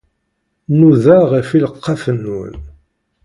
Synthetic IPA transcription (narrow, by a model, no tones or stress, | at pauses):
nuðaʁəfiləqːɑfənːṵn